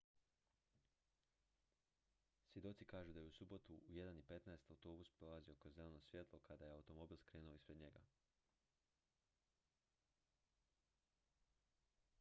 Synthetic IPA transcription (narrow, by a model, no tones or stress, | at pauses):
sʋjed̪o̞t̪sikaːʒud̪ajeusubo̞t̪uuje̞d̪anipe̞t̪naest̪awt̪o̞ːbuspɾo̞lˠazio̞kɾozzeleno̞sʋje̞t̪lˠo̞kad̪ajeawt̪o̞mo̞biːlˠskɾeːnuoispɾe̞d̪ɲe̞ɡa̰